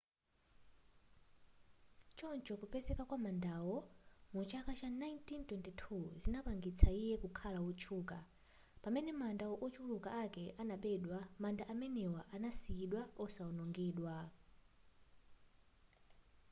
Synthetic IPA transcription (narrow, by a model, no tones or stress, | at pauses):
t͡ʃɔnt͡ʃɔkupɛzɛkakwamandawɔmut͡ʃʰakat͡ʃanajntintwɛntɛtʰuzinapaŋɡit͡sʰaijɛkukʰalawɔt͡ʃʰuːka | pamɛnɛmandaɔʔɔt͡ʃʰulukaʔakɛʔanaɓɛɗwamandaʔamɛnɛwaʔanasiiɗwaɔsaɔnɔŋɡiːɗwa